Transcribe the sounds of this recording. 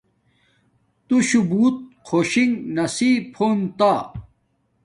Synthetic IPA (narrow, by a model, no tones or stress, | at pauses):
t̪uɕubuːt̪̚qʰoːɕiŋnɐsiːpʰoːnt̪aː